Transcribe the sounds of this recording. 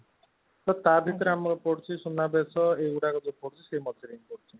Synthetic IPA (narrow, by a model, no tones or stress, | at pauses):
t̪ɔt̪abʱit̪ɔɾamɔɾɔpɔɽt͡ʃʰisunabesɔeuɽaɡɔd͡ʒɔpɔɽt͡ʃʰisemɔt̪ʰiɾenipɔɽt͡ʃʰi